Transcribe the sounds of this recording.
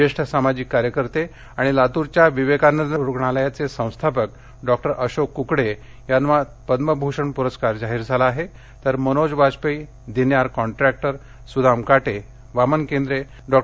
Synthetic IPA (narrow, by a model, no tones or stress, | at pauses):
eʂʈʰəsamad͡ʑikːaɾjəkəɾt̪e | aɽ̃ilat̪uɾt͡ɕjaʋiʋekanːəd̪əuɾukɳaləjat͡sesə̃w̃st̪ʰapək | ɖɔk̚ʈəɾʔəɕokːukɽe | janʋa | pəd̪məbʱuʂəɳpuɾəskaɾd͡zaɦiːɾd͡zʱalaːɦe | t̪əɾmənod͡zbaspəj | d̪injaɾkɔɳʈɾɛk̚ʈəɾ | sud̪amkaʈe | ʋamənkend̪ɾe | ɖɔ